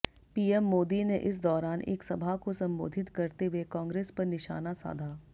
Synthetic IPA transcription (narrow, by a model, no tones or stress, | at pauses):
piːɛmːoːd̪ineʔɪs̬d̪ɔːɾaːnʔḛːksɐbʱakosɐ̃mbo̰ːd̪ʱɪt̪kɐɾt̪eekɔ̃ːŋɡɾeːspɐɾnɪʃa̰ːnasa̰ːd̪ʱaː